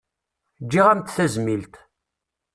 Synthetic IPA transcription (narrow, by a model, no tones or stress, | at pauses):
d͡ʒːiʁæmt̪θæzmilt̪